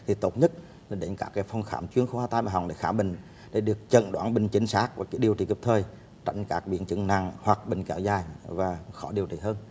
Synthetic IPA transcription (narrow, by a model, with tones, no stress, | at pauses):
t̪ʰi˨˩t̪o˦˥t̚ɲə˦˥t̚ː | ɗe˨˦nkaː˦˥kːaː˨˦jfɔ˧wŋ͡mxaː˧˦mt͡ɕwi˧əŋxo˧haː˧t̪aː˧jmaː˨˩ɦa˨˩wŋ͡mɗḛ˧˦xaː˧˩ɓï˨ŋ̟ | ɗe˧˩˦ɗɨ˨˩ək̚t͡ɕə̰˧˨nɗwaː˧˦nɓï˨˩ŋ̟t͡ɕï˨˦ŋ̟saː˦˥k̚vaː˨˩kaː˨˦ɗi˨˩əwt͡ɕi˧˨˩kɨ˨˩p̚t̪ʰəː˨˩j | t͡ɕa̰˧˩jŋ̟kaː˦˥k̚ɓḭ˧˦ənt͡ɕɨ˧˥ŋna̰˧˨ŋhwa˨˩k̚ɓï˨˩ŋ̟kɛ˨˦wzaː˨˩jvaː˨˩xɔ˧˦ɗi˨˩əwt͡ɕḭ˧˨hɦəː˧n